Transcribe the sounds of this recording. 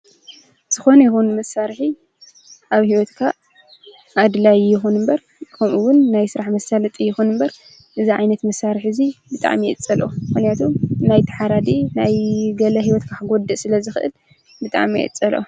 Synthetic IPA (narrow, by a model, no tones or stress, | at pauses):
z̥ɨxo̞nɐjɪxunmɐsːaɾħi | ʔaβhiwɔt̪kʰa | ʔad̪ɨlajjɪxunɨmbɐɾ | kʰɐmʔuwʊnːajsɨɾaħmɐsalɐt̪ʼɨjːɪxunɨmbɐɾ | ʔɨziʕajnɐt̪mɐsːaɾħɨzibɨt̪ʼa̰ʕmijɛʔɨt͡sʼːɐlʔo̰mɨxnijat̪ʰumnajt̪ʰɐ̥ħaɾad̪inajɡɐlɐɦiwɔt̪kʰakɡod̪ɨʔsɨlɐzɨxɨʔɨ̰l | bɨt̪ʼa̰ʕmijɛ̰ʔɨ̰t͡sʼɐlʔo̰